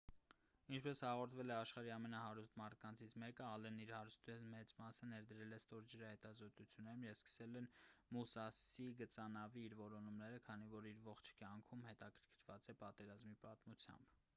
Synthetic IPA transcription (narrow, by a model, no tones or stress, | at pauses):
int͡ʃʰpɛshɑʁɔɾt̪ʰvɛlɛɑʃχɑɾiɑmɛnɑhɑɾust̪mɑɾt̪ʰkɑnt͡sʰit͡sʰmɛkəɑlɛnːiɾhɑɾust̪ʰɛnmɛt͡smɑsənɛɾd̪əɾɛlɛst̪ɔɾd͡ʒəɾɑhɛt̪ɑzɔt̪ut͡sʰjunɛɾumjɛvskə̥sɛlɛnmusɑsiɡət͡sɑnɑviːɾvɔɾɔnumnɛɾəkʰɑn̪ivɔɾiɾvɔχt͡ʃʰkjɑŋkʰumhɛt̪ɑkʰə̥ɾkʰəɾvɑt͡sɛpɑt̪ɛɾɑzmipɑt̪mut͡sʰjɑ̰mb